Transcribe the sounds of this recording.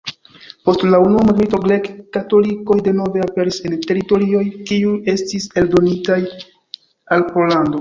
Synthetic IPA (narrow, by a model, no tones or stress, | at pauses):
po̞stlaunuamaɡmito̞ɡɾe̞kːato̞liko̞jde̞no̞ve̞ape̞ɾise̞nte̞ɾito̞ɾio̞jkiuje̞stise̞ldo̞nitaj | alpo̞lando̞